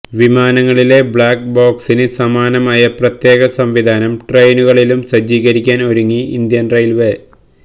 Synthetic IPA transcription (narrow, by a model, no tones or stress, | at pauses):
ʋimaːnɐŋːɐɭile̞bɭaːkboːksinɨsɐmaːnɐmaːjɐprɐt̪je̞ːɣɐsɐmʋid̪ʱaːnɐmʈrejnuɣɐɭilumsɐd͡ʑiːɣɐɾikʲːaːno̞ɾuŋːiḭnd̪jɐnrɐjlʋe